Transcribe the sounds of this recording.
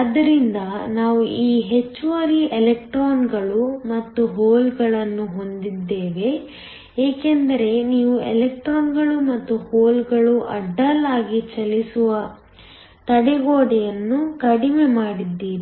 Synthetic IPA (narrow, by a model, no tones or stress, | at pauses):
ɐd̪ːɐɾind̪ɐnaːʋuiːɦe̞t͡ʃːuʋɐɾiʔelek̚ʈɾoːnɡɐɭumɐt̪ːuɦoːlɡɐɭɐnːuɦo̞nd̪id̪ːeːʋe̞ | eːkend̪ɐɾe̞niːʋuelek̚ʈɾoːnɡɐɭumɐt̪ːuhoːlɡɐɭuʔɐ̰ɖːɐlːaːɡit͡ʃɐlisuʋɐ | t̪ɐɽɛɡoːɽɛjɐnːukɐɽime̞maːɽid̪ːiːɾi